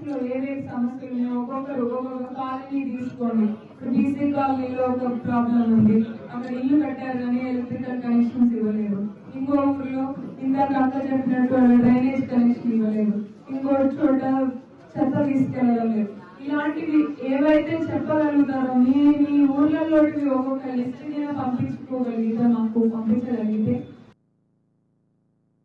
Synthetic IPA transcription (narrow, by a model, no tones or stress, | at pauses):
loːeːʋeːsɐmɐsjɐlumeːɔkɔkːɐɾɔkɔkɔkːɐt̪aːliniːt̪iːsu̥ko̞ːɳi | kɐbiːsiːkaːlniloɔkɐpɾaːblɐmund̪iɐkːɐɽilːupɛʈːaːɾuɡaːnielɐt̪ɾikɐlkɐnɛkʂɐnsiʋɐle̞ːd̪u | iŋkoːkɐɾloːind̪aːkɐk̪ːɐd͡ʒɐʈːinɐʈːunɐɖɐjneːd͡ʒkɐnɛkʂɐniʋɐle̞ːd̪u | iŋkoːut͡ʃoːʈaː | t͡ʃɐt̪ːɐt̪iːsu̥kɛɭːɐlɐle̞ːd̪u | ilaːɳʈid̪ieːʋɐjt̪e̞ːt͡ʃɛpːɐkɐɾuɡut̪aːɾɐniniuːɾlɐlːoːʈiʋioːkokːɐlisʈinɐnaːpɐmpint͡ʃu̥kɔːkɐliːd̪aːnaːkupɐmpiɲt͡ʃɐɾɐnɡit̪eː